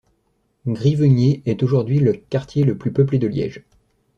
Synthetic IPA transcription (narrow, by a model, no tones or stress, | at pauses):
ɡʁivəɲeɛt̪oʒuʁd̪ɥiləkaʁt̪jeləplypəpled̪əljɛ̰ʒ